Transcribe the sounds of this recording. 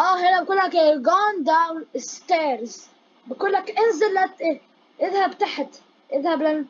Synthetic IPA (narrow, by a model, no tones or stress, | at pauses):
ʔæːɦenæbekuːlːækeɡɑnd̪awnst̪eːɾz | bekuːlːækʔenzelːæt̪ʔe | ʔeðhæbt̪aħt̪ | ʔeðhæblæn